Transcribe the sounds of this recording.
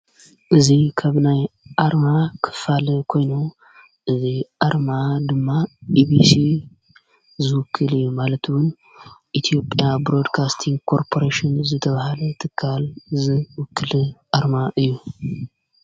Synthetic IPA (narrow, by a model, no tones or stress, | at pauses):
ʔɨzikʰaβnajʔaɾmakʰɨ̥falɨkʰo̞jnu | ʔɨziʔaɾmad̪ɨmːaʔibisi | zɨwʊkʰːɨlɨjːumalɐt̪ʰwʊn | ʔit̪ʰijo̞pʼjabɾo̞d̪kʰast̪ʰiŋɡkʰo̞ɾpʰo̞ɾeʃinzɨt̪ʰɐβahalɐt̪ʰɨkʰːalzɨwʊkːɨlɨʔaɾmaʔɨjːu